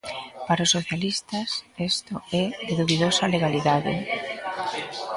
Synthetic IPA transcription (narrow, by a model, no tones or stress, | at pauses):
paɾosoθjalist̪ɐsest̪ʊɛðeðuβiðosɐleɣaliðaðɪ̰